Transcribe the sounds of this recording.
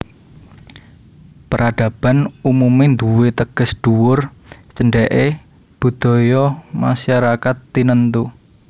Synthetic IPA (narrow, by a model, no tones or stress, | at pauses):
pəɾaɖ̥a̤b̥a̤numumend̪uwet̪əɡ̥əsɖ̥uwʊrt͡ʃəɳɖɛʔe | b̥ṳd̪̥ɔ̤jɔma̰ʃaɾakat̪ːinənt̪u